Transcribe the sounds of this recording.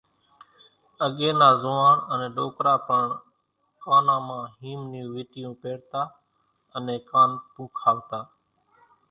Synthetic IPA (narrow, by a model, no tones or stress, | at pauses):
əɠeːnaːzʊːaːnənẽːɗoːkɾaːpəɳ | kaːnãːmãːɦiːmnijũːʋɪːʈɪjũːpeːɽt̪aː | ənẽːkaːnpũːkʰaːʋt̪aː